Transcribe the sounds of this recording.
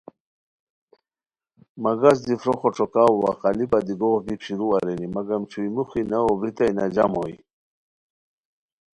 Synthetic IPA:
maɡas̬d̪ifɾoxɔʈ͡ʂɔkawwa̰qɑlibad̪iɡoɣbikɕiɾuaɾenimaɡamt͡ɕʰuimuxinaɔbɾit̪ajnad͡ʑa̰moj

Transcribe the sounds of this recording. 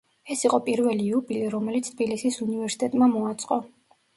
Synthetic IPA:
ɛsiqʼɔpʼiɾvɛliːubiliɾɔmɛlit̪sʰt̪ʰbilisisunivɛɾsi̥t̪ʼɛt̪ʼmamɔat̪sʼqʼɔ

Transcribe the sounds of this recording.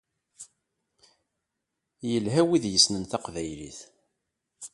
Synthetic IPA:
jəlɦæwiðjəsnənθɑqvæjlḭθ

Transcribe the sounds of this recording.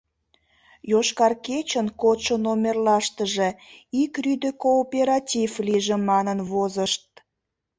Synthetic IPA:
joʃkɑrket͡ɕənkot̪ʃənomʲerlɑʃt̪əʒeikryd̪əkoːpʲeɾɑtʲivliʒĕmɑnənvozəʃt̪̚

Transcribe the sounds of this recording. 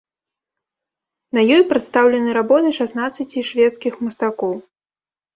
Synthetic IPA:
nɐjɔjpɾɨt̪st̪awlʲɐnɨɾabɔt̪ɨʂasnat̪sːɐt͡sʲiʂvʲɛt̪skʲixmɐst̪akɔw

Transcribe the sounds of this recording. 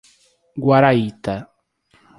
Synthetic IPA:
ɡwaɾait̪a

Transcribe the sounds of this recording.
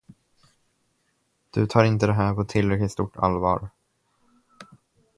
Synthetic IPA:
d̪̥ɵt̪ʰɑːɾɪnt̪əd̪ɛɦæːɾpʰɔt̪ʰɪlɾɛklɪkt̪st̪uːʈʰːa̰lvɑ̰ːɾ

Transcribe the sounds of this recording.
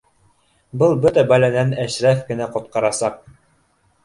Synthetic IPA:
bɤlˠbɵt̪æbælænænæʃɾæfkɘ̆næqŏt̪̚qɑɾɑsɑq̚

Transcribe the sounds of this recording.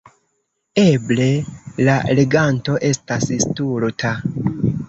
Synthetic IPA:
e̞ble̞lale̞ɡanto̞ʔe̞stasistuɾtʰa

